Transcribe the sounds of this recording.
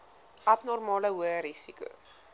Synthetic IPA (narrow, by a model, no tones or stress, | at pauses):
ʔɐtnɔrmɑːləɦuəɾisikṵ